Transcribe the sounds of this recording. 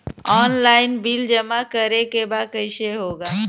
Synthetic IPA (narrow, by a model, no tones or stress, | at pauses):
ɔːnlaːɪnbild͡ʒəmakəɾekebaːd̪̚kəɪʃeɦoːɡaː